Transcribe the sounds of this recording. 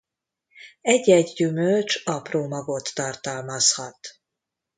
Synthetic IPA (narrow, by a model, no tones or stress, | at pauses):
ɛɟːɛɟɟymølt͡ʃɒproːmɒɡo̞t̪ːɒrt̪ɒlmɒshɒt̪